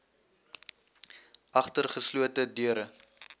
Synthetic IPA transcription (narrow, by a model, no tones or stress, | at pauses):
ʔɐχtərχəsluətədyəɾə